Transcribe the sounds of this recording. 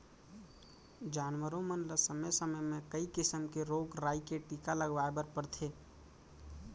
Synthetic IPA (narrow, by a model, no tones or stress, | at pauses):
d͡ʒaːnʋəɾõmənləsəməjsəməjmẽkəikɪsəmkeɾoːɡɾaːikeʈikaləɡʋaːebəɾpəɾt̪ʰeː